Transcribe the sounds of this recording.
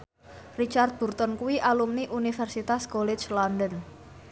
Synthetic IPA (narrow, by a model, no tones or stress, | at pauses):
rit͡ʃart̪̚b̥urt̪ɔnkuwiʔalumniʔunifɛrsit̪askolɛ̥t͡ʃlɔndən